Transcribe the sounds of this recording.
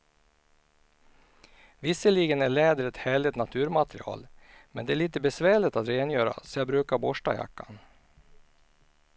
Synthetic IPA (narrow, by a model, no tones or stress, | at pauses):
vɪsəliːɡənæɭɛːd̪əɾɛt̪hæːɭɪt̪nat̪ʰʉ̟ːɾmat̪ɾɪ̰ɑ̰ːlmɛnd̪ɛæɭiːt̪əbɛsvæːɭɪt̪at̪ɾeːnjœːɾa̰sɔjɑbɾʉ̟ːkaɾbɔʂʈa̰ja̰kːa̰n